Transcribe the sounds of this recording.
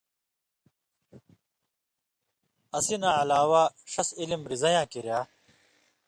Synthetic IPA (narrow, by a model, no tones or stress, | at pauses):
ɐsinãːɐlaːwaːɕɐsilimɾizɐjãːkiɾjaː